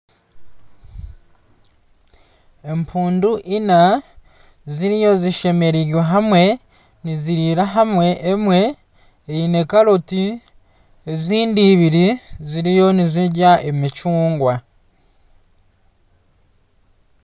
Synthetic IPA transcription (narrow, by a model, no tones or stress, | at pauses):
e̞mpʰuːnduʔina | ziɾijo̞ziʃe̞me̞ɾiɟweɦamwe̞ | niziɾiɾaɦamwe̞ʔːmwe̞ː | ine̞kaɾoti | eziːndiːβiɾiziɾijo̞niziɟaʔemit͡ʃuːŋɡwa